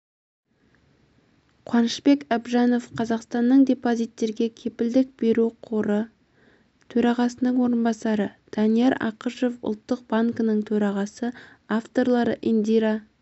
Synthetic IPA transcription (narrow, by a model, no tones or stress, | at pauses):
qʰwɑnəʃpe̞kɑbʒɑno̞fqʰɑzɑqst̪ɑnːəɴd̪e̞pozijt̪ːe̞ɾɡʲe̞kʲʰe̞pɪld̪ɪk̚be̞ɾuqʰoɾə | t̪ʰɵɾɑʁɑsənəɴwo̞ɾənbɑsɑɾəd̪̥ɑnijeɾɑ̰qəʃo̞fʊ̰lˠt̪ːəq̚b̥aŋkənəɴt̪ʰɵɾɑʁɑsə | aft̪o̞ɾlˠɑɾəʔind̪iɾɑ